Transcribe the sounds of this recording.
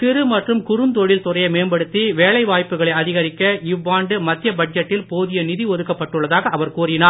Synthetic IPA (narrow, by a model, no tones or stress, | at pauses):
t̪ɪɾɯmɐʈrɯmkʊɾɯnd̪ɔɻɪlt̪ʊrɐjɐɪmeːnbɐɽɯt̪ːiʋeːɭɐɪʋaːjpːɯɣɐɭɐɪɐðɪɣɐɾɪkːɐɪʋːaːɳɖɯmɐt̪ːɪjɐbɐd͡ʒɐʈːɪlpoːðɪjɐnɪðiɔðɯkːɐpːɐʈːɯɭːɐðaːɣɐɐʋɐɾkuːrɪnaːɾ